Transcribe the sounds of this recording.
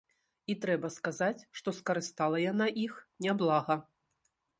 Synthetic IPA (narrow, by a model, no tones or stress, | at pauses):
it̪ɾɛbɐskazat͡sʲʂt̪ɔskɐɾɨst̪alˠɐjanaʔixnʲablˠaɣɐ